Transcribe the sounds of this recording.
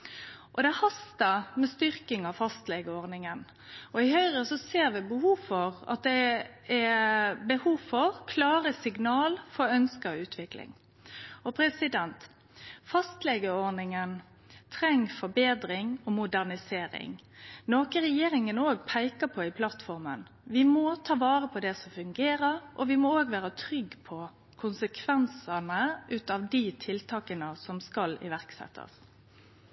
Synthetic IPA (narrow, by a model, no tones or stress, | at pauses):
ʔɔd̪ɛhɑst̪əmɛst̪ʏɾkɪŋɑʋfɑst̪lɛːɡəɔɾnɪŋən | ɔɪhœʏʁəsɔseːɾʋɪbəhuːfɔɾɑ̰t̪̚d̪ɛ | ɛbəhuːʋfɔɾkʰlɑːɾəsɪɡnɑːlfɔɾœnskəʉːt̪ʰʋɪklɪ̰ŋ | ɔpʰɾɛsɪd̪ɛnt̪ | fɑst̪lɛɡəɔɾnɪŋən | t̪ʰɾɛŋːfɔbeːd̪ɾɪŋɔmʊd̪æʁnɪseːɾɪ̰ŋ | noːkəɾɛjeːɾɪŋənoːɡpʰæɪkəpʰɔɪpʰlɑt̪fɔɾmə̰n | ʋɪmɔt̪ʰɑːʋɑːɾəpʰɔd̪ɛsɔfʉŋɡeːɾəɾʔɔ̰ʋɪmɔoːɡʋæːɾət̪ʰɾʏɡːpʰɔ | kʰʊnsəkʰʋɛnsənəʔʉːt̪ɑʋd̪it̪ʰɪlt̪ʰɑːkənəsɔmskɑlɪ̰ʋæɾksɛ̰t̪ʰːə̰s